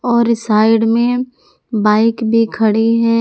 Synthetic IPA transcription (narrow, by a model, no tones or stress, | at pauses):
ɔːɾsaːɪɖmẽ | baːɪkbʱikʰɐɽiɦɛː